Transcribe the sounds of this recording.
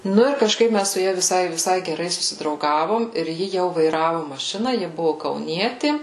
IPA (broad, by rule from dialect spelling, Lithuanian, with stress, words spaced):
ˈnʊ ɪr kɐʃˈkɐɪp ˈmʲæs sʊ ˈjɛ ʋʲɪˈsɐɪ ʋʲɪˈsɐɪ ɡʲɛˈrɐɪ sʊsʲɪdrɐʊˈɡɑːʋoːm ɪr jɪ jɛʊ ʋɐɪˈrɑːʋʊ mɐˈʃʲɪnɐ ˈjɪ ˈbʊʋʊ kɐʊˈnʲiɛtʲɪ